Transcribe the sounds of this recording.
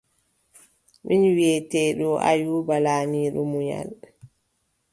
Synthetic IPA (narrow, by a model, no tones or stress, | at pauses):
mʔinwiɛtɛːɗɔʔajuːbalaːniːɗɔmuja̰l